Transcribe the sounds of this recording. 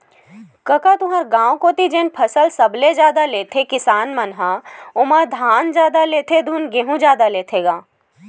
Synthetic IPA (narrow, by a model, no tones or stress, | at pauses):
kəkat̪ʊɦaɾɡãːwkot̪id͡ʒeːnpʰɐsəlsəbled͡ʒjaːd̪aleːt̪ʰekɪsaːnmənɦaʊmad̪ʱaːnd͡ʒjaːd̪aleːt̪ʰed̪ʱunɡeːɦũd͡ʒjaːd̪aleːt̪ʰeɡaː